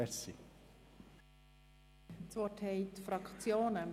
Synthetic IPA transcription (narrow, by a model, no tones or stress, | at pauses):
ɛɾsi | t͡sʋɔthɛɪt̪fɾɑkt͡sjoːnə